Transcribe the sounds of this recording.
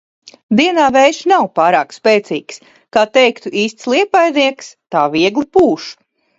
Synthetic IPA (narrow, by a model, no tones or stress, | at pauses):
d̪iɛnaːvɛjʃnawpaːɾaːkspɛːt̪siːks | kaːt̪ɛjkt̪uʔiːst̪slˠiɛpajniɛkst̪aːviɛɡlˠipuːʃu̥